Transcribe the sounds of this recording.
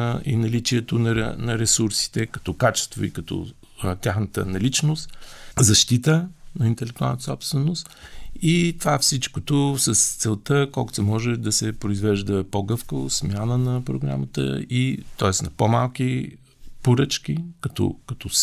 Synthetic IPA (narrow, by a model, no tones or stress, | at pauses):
inɐlit͡ʃiɛt̪ʊnɐɾɛ̰nɐɾɛsuɾsi̥t̪ɛkɐ̥t̪ɔkat͡ʃɛ̥st̪vo̰ḭkɐt̪ɔ̰ | t̪ʲjaxnət̪ə̰nɐlit͡ʃnost̪zɐʃt̪it̪ənɐint̪ɛlɛk̚t̪ualˠnət̪sɔpst̪vɛnost̪it̪ovafsit͡ʃkot̪osɐst̪sɛlˠt̪əkɔlˠkʊ̥sɛmɔʒɛd̪ɐsɛpɾoizvɛʒd̪əpoɡɤfkəvo̰smʲjanənɐpɾoɡɾa̰mət̪ə̰it̪ɔɛsnɐpomalˠki | poɾət͡ʃk̟ʲikɐt̪ɔ̰kɐt̪ɔ